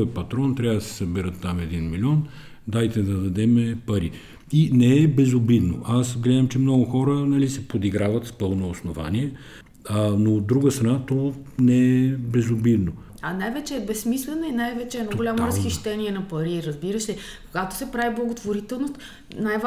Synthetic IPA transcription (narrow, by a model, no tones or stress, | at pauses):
ɛpɐt̪ɾɔnt̪ɾʲavd̪ɐsɛ̥sɐbiɾət̪ːamɛd̪inmilʲiɔn | d̪ajt̪ɛd̪ɐd̪ɐd̪ɛmɛpɐɾi | inɛɛbɛzobid̪no̰ʔasɡlɛd̪ɐmt͡ʃɛmnɔɡʊxɔɾənɐlisɛpod̪iɡɾavɐt̪spɤlˠnoːsnova̰niɛ | anoːd̪ːɾuɡəst̪ɾɐnat̪ɔnɛɛbɛzobid̪no | ɐnajvɛt͡ʃɛːbɛsːmislɛnoinajvɛt͡ʃɛɛnɔɡolʲamoɾɐsxiʃʃt̪ɛniɛnɐpɐɾiɾəzbiɾəsɛ | koɡat̪o̥sɛpɾaviblˠɐɡot̪voɾit̪ɛlˠnost̪ | najv